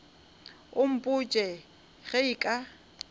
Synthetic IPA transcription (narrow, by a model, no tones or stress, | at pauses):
ʊm̩pʼʊt͡ʃʼɛ | ɣɛikʼa